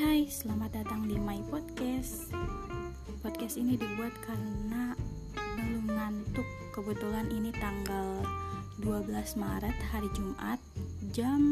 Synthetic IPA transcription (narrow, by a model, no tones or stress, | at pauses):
ajsəlamat̪̚dat̪aŋdimaipɔd̚kɛs | pɔd̪̚kɛst̪inidibuat̪̚kʰarəna | blumnant̪ʊkːəbət̪ulaninit̪aŋɡalduabəlasma̰ɾət̪haɾid͡ʒumʔa̰t̪̚d͡ʒam